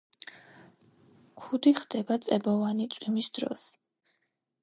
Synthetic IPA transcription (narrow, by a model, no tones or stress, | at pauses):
kʰud̪iχd̪ɛbat̪sʼɛbɔvanit̪sʼwimisd̪ɾɔ̰s